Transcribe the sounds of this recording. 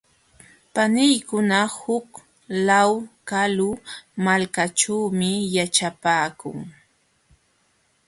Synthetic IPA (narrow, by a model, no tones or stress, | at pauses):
panɪjkʊnahʊk | lawkalʊmalkat͡ʃawmɪjat͡ʃapaːkʊ̰ŋ